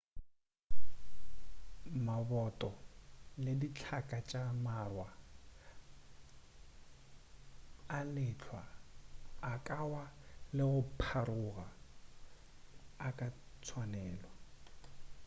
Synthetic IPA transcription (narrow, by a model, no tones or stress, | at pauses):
mabɔtʼɔledit͡ɬʰakʼat͡ʃʼamarwa | lɪt͡ɬʰwaː | kʼawalɪɣʊpʰaɾʊɣa | kʼat͡sʰwanɛːlwa